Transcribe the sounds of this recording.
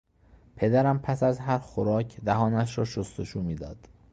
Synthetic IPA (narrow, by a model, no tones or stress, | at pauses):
pʰe̞d̪æɾæmpʰæsæzɦæɾxoɾɒːcʰd̪æɦɒːnæʃ̬ɾɒːʃost̪oʃuːmiːd̪ɒ̰ːd̪̥